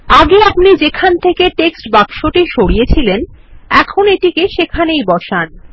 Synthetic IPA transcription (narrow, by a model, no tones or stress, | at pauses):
aɡeapnid͡ʑekʰant̪ʰekeʈeksʈbakʃoʈiʃoɽijet͡ɕʰilenɛkʰoneʈikeʃekʰanejbɔʃan